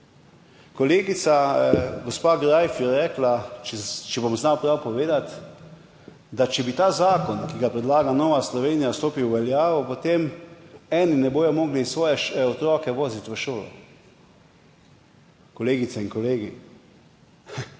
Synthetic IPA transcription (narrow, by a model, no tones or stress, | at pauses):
kɔleːɡit̪saɡɔspaːɡɾajfjɛɾɛːklat͡ʃɛt͡ʃɛbomznawpɾawpɔʋeːd̪at̪ | d̪at͡ʃɛbit̪aːzaːkɔnkiɡapɾɛd̪laːɡanɔːʋaslɔʋeːnijast̪oːpiwʋɛljaːʋɔpot̪eːmɛːninɛboːjɔmɔːɡlisʋɔːjɛʃɛɔt̪ɾɔːkɛʋoːzit̪ʋəʃoːlɔ̰ | kɔleːɡit̪sɛinkɔleːɡḭ